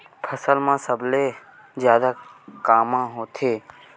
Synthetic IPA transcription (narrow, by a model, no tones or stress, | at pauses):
pʰəsəlmãsəble | zjaːd̪akaːmãɦoːt̪ʰeː